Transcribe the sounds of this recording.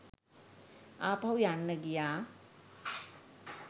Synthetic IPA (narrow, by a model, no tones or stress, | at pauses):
apʰawjanːəɡija